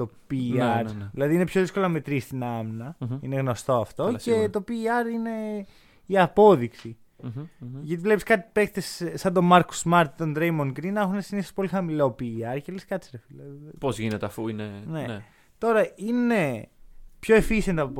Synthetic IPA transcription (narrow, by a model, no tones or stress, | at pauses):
t̪o̞piɐɾðilɐðinepço̞ðisko̞loɐmet̪ɾist̪inɐmnɐineɣno̞st̪o̞ɐft̪o̞e̞t̪o̞piːɐɾine̞ | iɐpo̞ðiksi | ʝɐt̪ivle̞piskɐt̪i̥pe̞kt̪esːɐnd̪o̞mɐɾku̥smɐɾt̪it̪o̞nd̪ɾejmoŋkɾinːɐxunesinisospo̞lixɐmilo̞piːɐɾceleskɐt̪isɾefilɐpozʝinet̪eɐfuinenee | t̪o̞ɾɐine | pço̞efisend̪ɐpo